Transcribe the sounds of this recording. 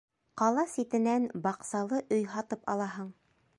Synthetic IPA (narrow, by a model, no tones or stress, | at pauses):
qɑlˠɑsit̪ɘ̆nænbɑqsɑlˠɤʔɵjɦɑt̪ɤpɑ̰lˠɑɦɤɴ